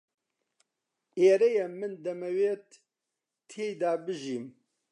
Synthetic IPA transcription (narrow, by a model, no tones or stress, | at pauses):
eːɾɛjɛmɨnd̪ɐmɐweːt̪ːʰ | eːjd̪aːbɨʒiːm